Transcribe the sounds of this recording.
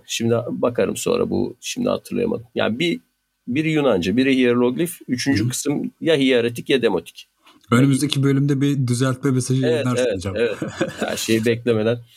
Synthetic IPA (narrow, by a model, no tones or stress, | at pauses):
ʃimd̪ibakʰaɾɯ̰mso̞̰nɾa̰bṵʃimd̪ḭha̰t̪ʰɯɾlˠa̰ja̰ma̰d̪ɯmja̰ːbi | biɾjunand͡ʒɯbiɾiɦijeɾlʲˠoɡlʲifyt͡ʃʰynd͡ʒykʰɯ̥sɯmjaɦijaɾet̪̬ʰicjad̪emo̞t̪ʰi̥c | ønemyzd̪ecʰibølʲymd̪ɛbid̪yzælʲt̪̚mɛmesaʒijeɛɾevɛt̪d͡ʒaevɛthæ̰ɾʃejibɛclʲeme̞d̪æn